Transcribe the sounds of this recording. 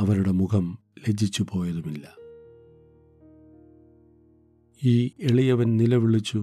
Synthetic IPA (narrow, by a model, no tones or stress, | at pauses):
ɐʋɐɾuɽe̞mukʰɐmle̞d͡ʑit͡ɕːupo̞ːjɐðumilːɐ | iːe̞ɭijɐʋɐnnilɐʋiɭit͡ɕːu